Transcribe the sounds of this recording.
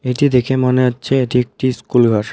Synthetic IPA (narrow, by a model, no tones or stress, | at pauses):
eʈid̪ekʰemoneɦotːɕʰeeʈiek̚ʈiskulɡʱɔɾ